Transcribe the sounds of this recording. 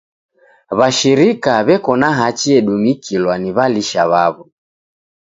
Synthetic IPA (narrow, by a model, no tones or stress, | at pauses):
βaʃiɾikaβɛkɔnaɦat͡ʃiɛɗumikʰilwaniβaliʃaβaβɔ